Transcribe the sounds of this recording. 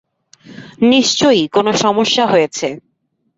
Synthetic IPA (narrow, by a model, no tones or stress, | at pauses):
niʃt͡ɕojkonoʃɔmoʃːaɦojet͡ɕʰe